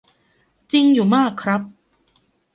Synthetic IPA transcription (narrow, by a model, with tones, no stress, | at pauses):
t͡ɕi˧ŋjuː˨˩maː˥˩kʰːɾa˦˥p̚